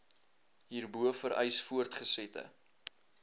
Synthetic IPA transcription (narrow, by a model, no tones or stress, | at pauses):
ɦiːrbuəfəɾə̰jsfuərtχəsɛtə̰